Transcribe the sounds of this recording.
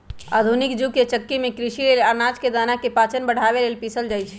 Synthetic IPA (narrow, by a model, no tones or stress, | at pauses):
a̰d̪ʱunikd͡ʒuket͡ʃəkːimekɾiʃilelanad͡ʒked̪anakepat͡ʃənbəɽ̤ʱaβelelpisəld͡ʒajt͡ʃʰ